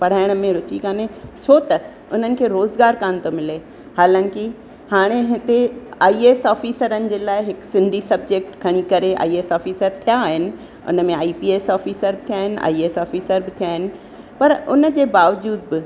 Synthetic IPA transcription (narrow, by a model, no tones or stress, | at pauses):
pɐɽ̤aːɪɽ̃əmẽɾʊt͡ɕikaːnet͡ɕʰoːt̪ɐ | ʊn̤ənɪ̆kʰeːɾoːzɡaːɾkaːnt̪omɪle | haːlãːkɪ | haːɽ̃eɦɪt̪eaːieːsɔːfiːsəɾənɪ̆d͡ʑeːlaːɪɦɪksɪ̃nd̪ʱisɐb̚d͡ʑeːk̚ʈkʰɐɽ̃ikɐɾeʔa̰ːieːsɔːfiːsəɾt̪ʰijaːɦɪnɪ̆ | ʊ̰nəmẽaːiːpiːeːsɔːfiːsəɾbɪt̪ʰijaːɦɪnɪ̆a̰ːieːsɔːfiːsəɾbɪt̪ʰijaːɦɪnɪ̆ | pɐɾʊnəd͡ʑeːbaːʋd͡ʑuːd̪̚bɪ